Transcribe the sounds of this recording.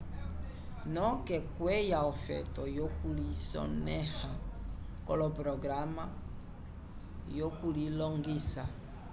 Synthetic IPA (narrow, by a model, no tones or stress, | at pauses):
nɔkɛkwɛjaɔfɛ̰tɔjokulisɔ̰nɛha | kɔlɔpɾɔɡɾama | jokulilɔŋɡisa